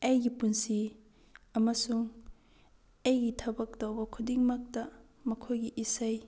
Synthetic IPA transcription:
ɐjɡipunsi | ɐmɐsuŋ | ɐjɡitʰɐbɐk̚dɐwbɐkʰudiŋmɐk̚tɐ | mɐkʰojɡiʔisɐj

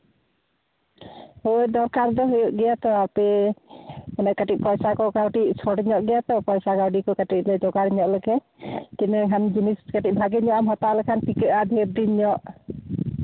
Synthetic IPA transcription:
hojd̪ɔɾkaɾd̪ɔɦujɔʔɡɛjat̪ɔapɛ | manɛkaʈic̚pɔjsakɔkawʈiʔ̚sʰɔɽɲɔʔɡɛjat̪ɔpɔjsakawɖikɔkaʈiʔ̚ˀlɛd͡ʒɔɡaɾɲɔʔləɡɛ | kinɛkʰand͡ʒiniskaʈiʔ̚bʱaɡɛɲɔʔamɦɔt̪alɛkʰanpikəʔad̪ʱɛb̚d̪iɲɔʔ

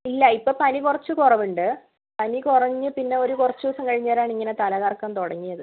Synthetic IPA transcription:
ilːɐipːoːpɐnikurɐt͡ɕːɨkurɐʋuɳɖɨ | pɐnikurɐɲːɨpinːe̞o̞ɾukurɐt͡ɕːʋoːsɐŋkɐɻiɲːɐɾaːɳiŋːɐne̞t̪ɐlɐɣaːrkːɐmt̪oɽɐŋːijɐðɨ

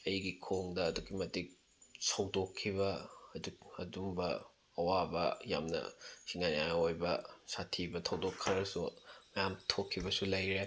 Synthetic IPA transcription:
ɐjɡikʰoŋdɐːduɡimɐtik̚ | sɐwdokʰːibɐɐduk̚ɐdumbɐ | ɐwabɐja̰mnɐ̰siŋanjajojbɐsatʰibɐtʰɐwdokʰːɐɾɐsumɐjamtʰokʰːibɐsulɐjɾe

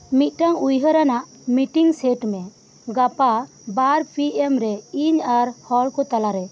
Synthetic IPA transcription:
mit̪̚ˀʈaŋujɦəɾanaʔ | miʈiŋsɛʈmɛ | ɡapa | baɾpʰiɛmɾɛiɲaɾhɔlkɔt̪alaɾɛ

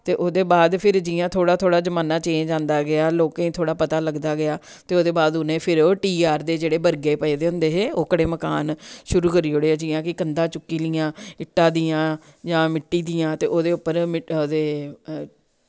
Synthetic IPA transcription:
t̪eːʔoːd̪eːbaːd̪pʰɪɾd͡ʒɪːjãːt̪ʰoːɽaːt̪ʰoːɽaːd͡ʒəmaːnaːt͡ʃẽːd͡ʒãːnd̪aːɡɪaːloːkːĩːt̪ʰoːɽaːpət̪aːləɡd̪aːɡɪaː | t̪eːoːd̪eːbaːd̪ʊnẽːpʰɪɾoːʈiːaːɾd̪eːd͡ʒeːɽeːbəɾɡeːpəed̪eːʊ̃nd̪eːɦeːoːkəɽeːməkaːnʃʊɾuːkəɾiːɦoːɽeːad͡ʒiːjãːkɪkənd̪ãːt͡ʃʊkːiːliːãːɪʈːãːd̪iːãːd͡ʒãːmɪʈːiːd̪iːãːt̪ḛːʔoːd̪eːʊpːəɾmɪoːd̪eː

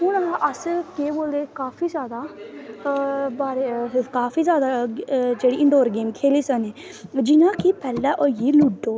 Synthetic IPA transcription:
ɦʊnːʔəskeːboːld̪eːkaːfʰiːzjaːd̪aː | baːɾekaːfʰiːzjaːd̪aːd͡ʒeːɽiːʔɪ̃ɳɖoːɾɡeːmkʰeːliːsəneː | d͡ʒɪnãːkɪpɛːlãːʔoɡiːluɖɖoː

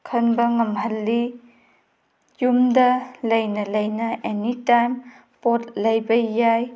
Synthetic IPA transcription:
kʰɐnbɐŋɐmɦɐlːi | jumdɐlɐjnɐlɐjnɐʔenitajm | pot̚lɐjbɐjaj

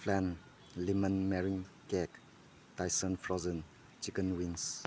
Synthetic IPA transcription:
pʰlɛn | limənmeɾiŋ | kɛk | tajsənfʰɾɔzən | t͡ʃikənwins

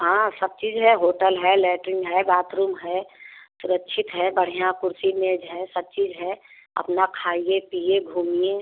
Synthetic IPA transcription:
ɦãsəb̚t͡ʃiːd͡ʒɦɛɦoːʈəlɦɛlɛːʈɾɪ̃ŋɡɦɛbaːt̪ɾuːmɦɛsʊɾəkːʃʰɪt̪ɦɛbəɽ̤ijãkʊɾsineːd͡ʒɦɛsəb̚t͡ʃiːzɦɛ | ə̰pnakʰaːiepieɡʱuːmije

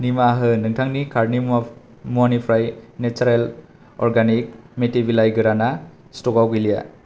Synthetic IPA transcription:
nimaɦɯnɯŋtʰaŋnikʰaɾni | muanipʰɾajnet͡ʃaɾel | ɔ̰ɾɡanik̚metibilajɡɯɾana | stɔkawɡilija̰

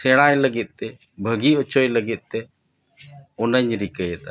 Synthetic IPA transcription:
seɽ̃ãːjləɡɪt̪̚ˀt̪e | bʱəɡiʊt͡ʃojləɡɪt̪̚ˀt̪e | ʊnəɲɾikəjet̪a

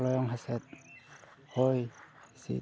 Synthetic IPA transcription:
lɔjɔŋɦasɛt̪̚ | hojsḭ

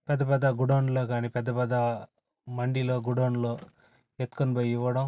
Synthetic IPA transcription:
pɛd̪ɐpɐd̪aɡuɽoɳloːkaːniːpɛd̪ːɐpɐd̪aː | mɐɳɖiloːɡuɽoːɳloː | et̪konbɐːjiʋɐɽɐm

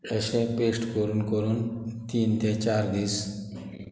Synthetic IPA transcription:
əʃẽpeːsʈkoɾunkoɾunt̪iːnt̪ʰet͡ʃaːɾd̪is

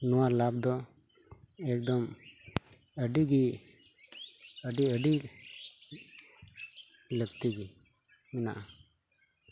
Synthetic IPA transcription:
nɔwaɾlab̚d̪ɔ | ɛk̚d̪ɔm | əɖiɡi | əɖiəɖi | ləɡt̪iɡi | mɛna̰ʔa

